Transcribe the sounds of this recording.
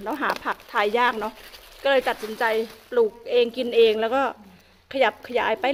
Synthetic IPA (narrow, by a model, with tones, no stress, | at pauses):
lɛː˧˥˩wɦaː˩˦pʰa˦˥˩k̚t̪ʰa˧jːaː˥˩k̚nɔ˦˥ʔkɔː˥˩lɤː˧jt̪a˨˩t̪̚si˩˦nt͡ɕa˧jpluː˨˩k̚ʔeː˧ŋki˧nʔeː˧ŋlɛː˦˥wkɔː˥˩ | kʰa˧ja˨˩p̚kʰa˧ja̰ː˩˦jpa˧